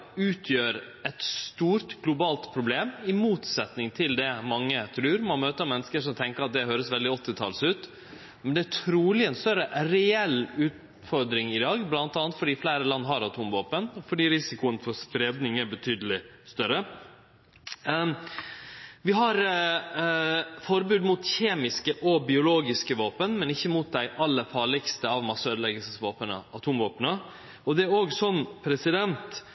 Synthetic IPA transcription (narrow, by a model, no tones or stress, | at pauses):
ʉːt̪ʰjøːɾɛt̪st̪uːɾt̪ɡlʊbɑːlt̪pʰɾʊbleːmɪmuːt̪sɛt̪nɪŋt̪ʰɪld̪ɛmɑŋːət̪ʰɾʉːɾmɑnmøːt̪əɾɑmɛnːəskəʂɔmt̪ʰɛŋkəɾɑt̪̚d̪ɛɦøːɾəsʋɛld̪ɪɔt̪ːɪt̪ʰɑ̰lsʉːt̪ | mɛnd̪ɛæʈʰɾuːlɪɛnst̪œɾəɾɛɛlːʉːt̪ | fɔɾd̪ɾɪŋɪd̪ɑːɡblɑnt̪ɑːnt̪fɔɖiːflæːɾəlɑnːɦɑɾɑt̪ʰʊmʋoːpənfɔɖiːɾɪsɪkʊənəfɔɾspɾed̪nɪŋæɾbət̪ʰyːd̪əlɪ | st̪œɾə | ʋɪɦɑɾ | fɔɾbʉːd̪muːt̪çeːmɪskəʔɔbɪʊloːɡɪskəʋoːpənmɛnɪçːəmuːt̪̚d̪æɪʔɑlːəfɑːɾɭɪkst̪əɑʋmɑsøːd̪əlɛɡəlsəsʋoːpənə̰ɑt̪ʰuːmʋoːpənə | ɔd̪ɛæɾoːɡsɔnːpʰɾɛsɪd̪ɛnt̪